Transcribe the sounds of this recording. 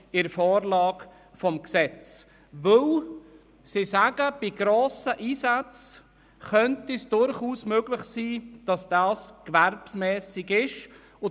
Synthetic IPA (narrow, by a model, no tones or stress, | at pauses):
ɪɾəfɔːɾlɑːɡ | fɔmksɛt͡s | ʋɵl | sɪsæɡəb̥ɪɡɾoːsəʔiːsat͡s | χœntisd̥ʊɾχuːsmøɡ̥lɪχsiːd̥ɑsd̥ɑːskʋæɾbsmɛːsɪɡɪʃ | ʊ